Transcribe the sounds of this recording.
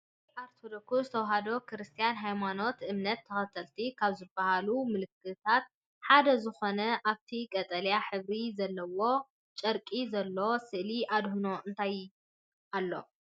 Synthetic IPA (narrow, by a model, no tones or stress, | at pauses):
iʔaɾt̪ʰod̪okuzɨt̪ʰɐwɦad̪o̞kɨɾɨst̪ʰijanɦajmano̞t̪ʔɨmnɐt̪ʰːɐxɐt̪ʰɐlt̪ʰikʰaβzɨbːɐhalumɨlɨkːɨt̪ʰat̪̚ | ħad̪ɐzɨxo̞nɐʔaβt̪ʰikʼɐt̪ʼɐljaħɨβɾizɐlːɐwo̞ | t͡ʃʼɐɾkʼizɐlːo̞sɨʔliʔad̪huno̞ʔɨnt̪ʰaj | ʔalːo̞̰